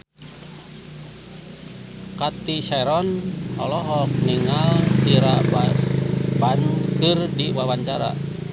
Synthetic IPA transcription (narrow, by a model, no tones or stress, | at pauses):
kat̪isaɛɾɔnɔ̰lɔɦɔk̚niŋaldiɾaba | bankɨrdiwawaɲt͡ʃaɾa̰